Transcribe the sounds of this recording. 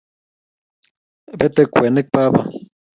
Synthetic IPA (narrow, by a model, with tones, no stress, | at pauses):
be˦t̪ekʷe˨ne˦k̚pa˦pa̰